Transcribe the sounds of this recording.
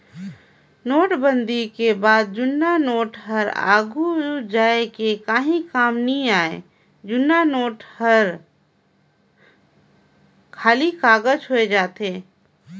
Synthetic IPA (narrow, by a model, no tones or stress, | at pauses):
noːʈbənd̪ʱikebaːd̪̚d͡ʒʊnːanoːʈɦəɾa̰ːɡud͡ʒaːekekaːɦĩkaːmnĩaːe | d͡ʒʊnːanoːʈhəɾ | kʰaːlikaːɡəd͡ʒɦoed͡ʒaːt̪eː